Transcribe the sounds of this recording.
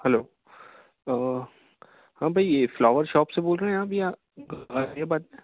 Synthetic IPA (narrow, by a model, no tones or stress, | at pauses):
hɛloː | hãːbʱɐieflɔːʋəɾʃɔːpseboːlɾeɦẽɛ̃aːbʱia | ɡɡaabaːt̪̚ẽ